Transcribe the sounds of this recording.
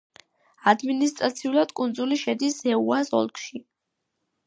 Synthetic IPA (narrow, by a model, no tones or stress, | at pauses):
ad̪minist̪ʼɾat̪sʰiulˠad̪̥kʼund̪zuliʃɛd̪ishɛuasɔ̰lˠkʰʼʃi